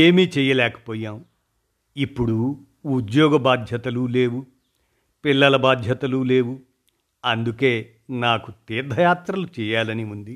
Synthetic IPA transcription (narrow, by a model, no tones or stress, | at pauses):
eːmiːt͡ʃɛːjɐlɛːkɐ̥poːjaːm | ipːuɽu | ud̪jɔːɡɐbaːd̪ʱjɐt̪ɐlule̞ːwu | pilːɐlɐbaːd̪ʱjɐt̪ɐlule̞ːwu | ɐnd̪ukeː | naːkut̪iːɾd̪ʱɐjaːt̪ɾɐlut͡ʃɛːjaːlɐniund̪i